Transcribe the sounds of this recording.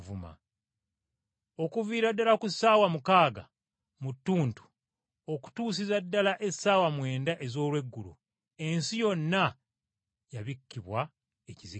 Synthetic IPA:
vuma̰ | o̞kuviːɾadːalakusaːwamukaːɡa̰ | mutːuːntu̥ | o̞ku̥tuːs̬izadːalaʔe̞sːaːwamwe̞ːndaʔe̞zo̞ːlwe̞ɡːulṵ | e̞nsijo̞nːa | jaβikːiβwa | ecizi

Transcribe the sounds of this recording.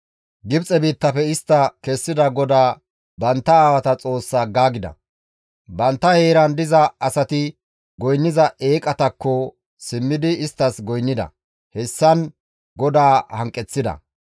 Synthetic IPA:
ɡɪbt͡sʼɛbiːt̪ːɐpɛɪst̪ːɐkɛsːɪd̪ɐɡɔd̪aː | bɐnt̪ːɐaːwɐt̪ɐt͡sʼo̞ːsːaːɡaːɡɪd̪ɐ̰ | bɐnt̪ːɐheːɾɐnd̪ɪzɐɐsɐt̪ɪ | ɡɔjnːɪzɐʔe̞ːkʼɐt̪ɐkːɔ | sɪmːɪd̪ɪːst̪ːɐsɡɔjnːɪd̪ɐ̰ | hɛsːɐn | ɡɔd̪aːhɐŋkʼːɛt͡sːɪd̪ɐ̰

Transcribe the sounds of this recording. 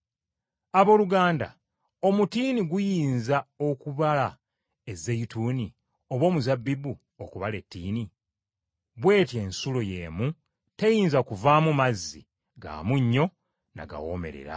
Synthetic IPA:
aβo̞ːluɡaːnda̰ | o̞mutiniɡujiːnzao̞kuβala | ezejituːni | o̞βwo̞ːmuzabːibu | okuβale̞tːiːni | βwe̞ːtje̞ːnsulo̞je̞ːmu | te̞jiːnzakuvamumazːḭ | ɡa̰ːmuɲːo̞ | na̰ɡa̰wo̞̰ːme̞̰ɾe̞̰ɾa̰

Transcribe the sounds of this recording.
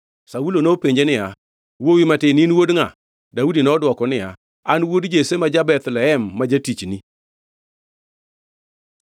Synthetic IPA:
saulonopeɲd͡ʒenɪja | wowimatɪninwodŋa | daudinɔdwɔkɔnɪja | anwodd͡ʒesemad͡ʒabɛt̪lɛhɛmːad͡ʒatit͡ʃni

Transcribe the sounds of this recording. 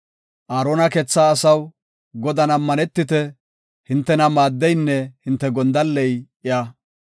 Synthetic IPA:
ʔaːɾoːnɐkɛt͡sːaːsɐw | ɡɔd̪ɐnɐmːɐnɛt̪ːɪt̪ɛ | hɪnt̪ːɛnɐmaːd̪ːɛjnːɛhɪnt̪ːɛɡɔnd̪ɐlːɛj | ɪjaː

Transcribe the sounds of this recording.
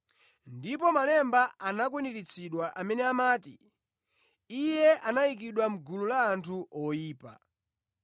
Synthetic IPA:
ndip̬ɔmalɛmbaanakwiniɾit͡sʰiɗwaʔamɛnɛamaːtḭ | ijɛʔanaik̬iɗwam̩ɡululaːntʰuɔjiːpa̰

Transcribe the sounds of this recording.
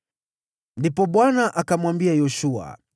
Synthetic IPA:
ndipɔɓwanaʔakamwambiajɔʃua̰

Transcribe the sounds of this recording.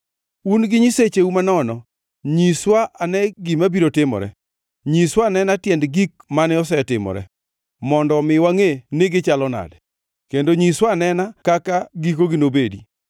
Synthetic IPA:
unɡɪɲiset͡ʃeumanɔnɔ | ɲiswaʔanɛɡɪmabiɾotɪmɔ̰ɾɛ̰ | ɲiswanɛnatjɛndɡik̚manɪɔs̬ɛtɪmɔ̰ɾɛ̰ | mɔndɔmɪwaŋenɪɡɪt͡ʃalɔna̰dɛ | kendoɲiswanɛnakakaɡikoɡɪnobedi

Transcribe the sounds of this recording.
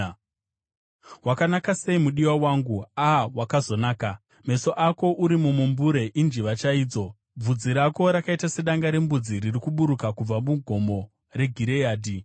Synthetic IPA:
wakanakase̞imuɗiwawaːŋɡuawakazo̞naːka | me̞so̞ʔako̞ʔuɾimumumbuɾe̞ʔind͡ʒiʋat͡ʃaiːd͡zo̞ | b͡vud͡ziɾako̞ɾakaitase̞ɗaŋɡaɾe̞mbud͡ziɾirikuɓuɾukakub͡vamuɡʱo̞mo̞ | re̞ɡʱiɾe̞jaːdʱi

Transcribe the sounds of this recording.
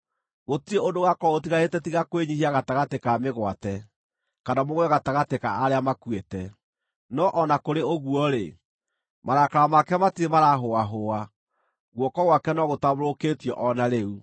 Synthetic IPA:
ɣotieodoɣakɔotiɣaetɛtiɣakweɲihiaɣataɣatekameɣwatɛ | kanamoɣwɛɣataɣatekaaɾeamakwetɛ | nɔʔɔnakoɾeoɣwɔɾe | maɾakaɾamakɛmatiemaɾaɦoaɦoa | ɣwɔkɔɣwakɛnɔɣotaβoɾoketiɔʔɔnaɾeu

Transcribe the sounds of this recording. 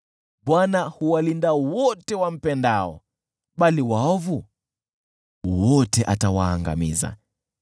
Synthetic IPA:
ɓwanahuwalindawɔtɛwam̩pɛndaɔ̰ | ɓaliwaɔvu | wɔtɛʔatawaːŋɡa̰miza̰

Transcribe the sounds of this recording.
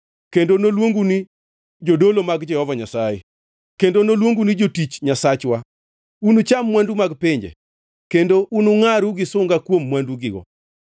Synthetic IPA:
kendonolwoŋɡuni | d͡ʒodolomaɡd͡ʒɛhɔvaɲasajḛ | kendonolwoŋɡunid͡ʒotit͡ʃɲasat͡ʃwa | unut͡ʃamːwandumaɡpɪɲd͡ʒḛ | kendoʔunuŋaɾuɡɪsʊŋɡakwomːwanduɡɪɡɔ̰

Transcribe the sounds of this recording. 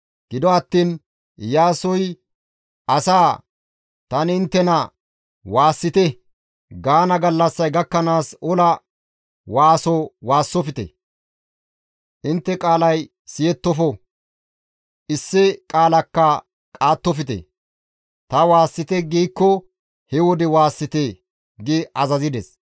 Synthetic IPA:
ɡ̥ɪd̪ɔɐt̪ːiːn | jaːsɔj | ʔɐsaː | t̪ɐnɪnt̪ːɛnɐ | waːsːɪt̪ɛ | ɡaːnɐɡɐlːɐsːɐjɡɐkːɐnaːsɔlɐ | waːsɔwaːsːɔfɪt̪ɛ̰ | ʔɪnt̪ːɛkʼaːlɐj | sɪjɛt̪ːɔfɔ | ʔɪsːɪkʼaːlɐkːɐ | kʼaːt̪ːɔfɪt̪ɛ̰ | t̪ɐwaːsːɪt̪ɛɡiːkːɔ | hɛwɔd̪ɛwaːsːɪt̪e | ɡɪɐzɐzɪd̪ɛs

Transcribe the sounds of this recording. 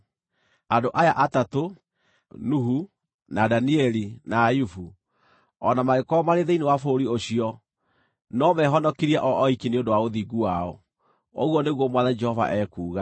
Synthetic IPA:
adoʔajaʔatato | nuɦu | nadaniɛlinajufu | ɔnamaɣekɔmaɾeðeinewafoːɾioɕiɔ | nɔmɛɦɔnɔkiɾiaʔɔʔɔikineondowaoðiɡuwaɔ | o̰ɣwɔneɣwɔmwaðad͡ʒɛhɔva̰ʔɛːkuːɣa

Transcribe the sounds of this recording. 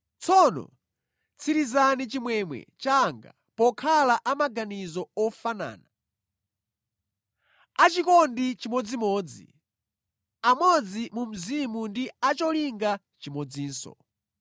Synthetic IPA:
t͡sʰɔnɔ̰ | t͡sʰiɾizanit͡ʃimwɛmwɛ̰t͡ʃaŋɡa̰ | pɔkʰalaʔamaɡanizɔɔfana̰ːna | at͡ʃikɔndit͡ʃimɔd͡zimɔːd͡zḭ | amɔd͡zimum̩zimundiat͡ʃɔliŋɡa | t͡ʃimɔd͡ziːnsɔ̰

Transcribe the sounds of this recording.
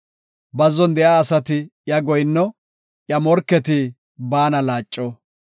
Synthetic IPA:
bɐzɔnd̪ɛjaːɐsɐt̪ɪjɐɡɔjnːɔ | jɐmɔɾkːɛt̪ɪ | baːnɐlaːt͡ʃʼːɔ

